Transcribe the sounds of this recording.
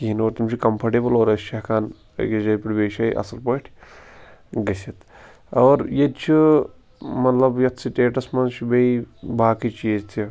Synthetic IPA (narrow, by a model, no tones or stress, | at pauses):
ɦinoːɾt̪umt͡ʃʰikɐmpʰɐɾʈeːbəloːɾɐst͡ʃʰɐkʰaːn̰ | jɐd͡ʒɐpɾibeːʃɐːjʔɐ̰sɐlpɐʈʲʰ | ɡɐsʲit̪ | ɐːɾjet̪t͡ʃʰi | mɐt̪lɐbjɐt̪ʰsiʈeːʈɐsmɐnt͡ʃʰibɐibaːkit͡ʃʰiezt̪ʰi